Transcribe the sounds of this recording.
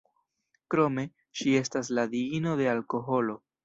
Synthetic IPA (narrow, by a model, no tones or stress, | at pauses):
kɾo̞me̞ | ʃie̞stas̬lad̪iino̞de̞alko̞ɦo̞lo̞